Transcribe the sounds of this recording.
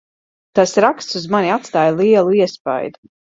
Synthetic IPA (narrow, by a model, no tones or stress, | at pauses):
t̪asɾakst̪suzmanʲiat̪st̪aːjlˠiɛlˠuiɛspa̰jd̪u